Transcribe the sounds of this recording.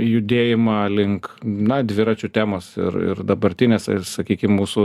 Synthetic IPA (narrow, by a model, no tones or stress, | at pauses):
jʊd̪ʲeːjɪmɑlʲɪŋknɐd̪ʲʋʲɪɾɑt͡ʃʲut̪ʲæːmoːsɪ̰ɾɪ̰ɾd̪ɐbɐɾʲt̪ʲɪnʲeːssɐkʲiːkʲɪmmuːsʊ